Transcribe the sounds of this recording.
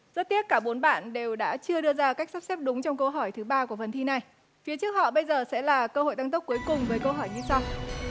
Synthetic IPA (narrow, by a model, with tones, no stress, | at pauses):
zə˦˥t̚t̪i˦˥əp̚kaː˧˩ɓo˨˦nɓa̰ː˧˨nɗe˨˩wɗa̰ː˧˥t͡ɕɨ˧əɗɨ˧əzaː˧ka˦˥jk̟̚sa˦˥p̚sɛ˦˥p̚ɗʊ˨˦ŋ͡mt͡ɕɔ˧wŋ͡mkə˧wɦɔ˧˩jt̪ʰɨ˨˦ɓaː˧ku˧˩əfə˨˩nt̪ʰi˧na˨˩j | fi˨˦ət͡ɕɨ˦˥ək̚hɔ̰˧˨ɓə˧jzəː˨˩sɛ̰˧˥laː˨˩kəː˧ho̰˧˨jt̪a˧ŋt̪ə˦˥k͡p̚ku˨˦jkʊ˨˩ŋ͡mvəː˨˦jkə˧wɦɔ˧˩jɲɨ˧sa˧w